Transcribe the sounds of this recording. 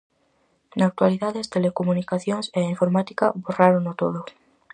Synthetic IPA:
naːk̚t̪waliðaðest̪elekomunikaθjoŋseiɱfoɾmat̪i̥kaβoraɾonot̪oð̞o

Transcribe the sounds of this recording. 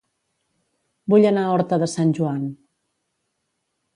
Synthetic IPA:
buʎənaɔɾt̪əðəsanʲʒuan

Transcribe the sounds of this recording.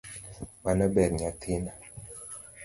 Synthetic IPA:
manabɛɾɲatʰina

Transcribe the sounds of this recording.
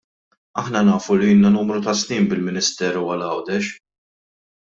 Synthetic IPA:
ɐ̰ħnɐnɐːfuliɪnːɐnuːmɾut̪ɐsniːmbɪlmɪnɪst̪ɛːɾuwɐlɐwd̪ɛʃ

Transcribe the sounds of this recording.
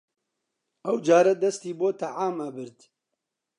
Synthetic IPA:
ɐwd͡ʒaːɾɐd̪ɐst̪iːboːt̪ʰɐʕaːmɐbɨɾt̪

